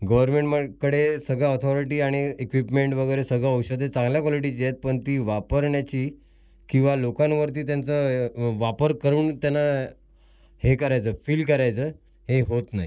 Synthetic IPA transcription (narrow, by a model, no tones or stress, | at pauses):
ɡəʋəɾmeɳʈməkəɽesəɡaɔt̪ʰɔɾiʈiːaɽ̃iekʋipmeɳʈʋəɡəjɾesəɡaəwɕəd̪et͡sãŋɡljakɔliʈ̬it͡ɕijet̪̚pəɳt̪iːʋapəɾɳjat͡ɕiː | kĩw̃ʋalokãnʋəɾt̪̬iːt̪jant͡səʋapəɾkəɾuːnt̪janːa | hekəɾajt͡səːfiːlkəɾajt͡səː | ɦeɦot̪naɦḭ